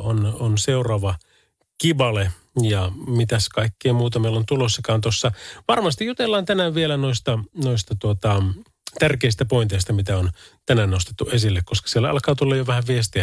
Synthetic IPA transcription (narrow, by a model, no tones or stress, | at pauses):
ononseurɑːʋɑ | kibɑle | jɑmit̪æskɑikːeːmuːt̪ɑmeilːont̪ulosːɑkɑːnt̪osːɑʋɑrmɑst̪ijjut̪elːɑːnt̪ænæːʋʋielænoist̪ɑnoist̪ɑt̪uot̪ɑ | t̪ærkeist̪æpoint̪eist̪ɑmit̪æont̪ænæːnnost̪e̥t̪ːuʔesilːekkoskɑ̥sielːæɑ̰lkɑːt̪ulːɑjoʋæhæʋʋiest̪iæ